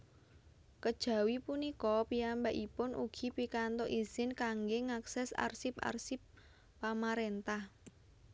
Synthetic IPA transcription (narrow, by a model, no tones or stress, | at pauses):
kəd̥ʒ̥ä̤wipunikɔpiambaʔipʊnʔuɡ̥i̤pikant̪ɔʔiz̥ɪnkaŋɡeŋaksɛsa̰rsɪpa̰rsɪpː | amaɾent̪ah